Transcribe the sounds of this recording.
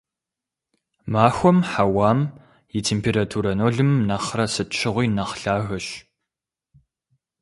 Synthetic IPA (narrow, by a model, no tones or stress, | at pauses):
maːxʷɔmħawaːm | jɪtʰeːmpʰeːɾatʰuːɾɐnoːɮɨmnɐχrɐsɨtt͡ʃʰɪʁʷiːnɐχɬaːɣɐɕ